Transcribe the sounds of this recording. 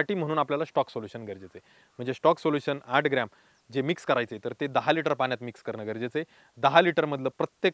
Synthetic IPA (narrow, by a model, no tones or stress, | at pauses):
aʈiːm̤əɽ̃uːnapljalasʈɔksoljuɕənɡʱəɾd͡ʑet͡se | m̤əɳd͡zesʈɔksoljuɕənaʈʰɡɾam | d͡ʑemikskəɾajt͡set̪əɾt̪ed̪əɦaliʈəɾpaɳjat̪mikskəɾɳəɡəɾd͡ʑet͡se | d̪əɦaliʈəɾməd̪ʱləːpɾət̪je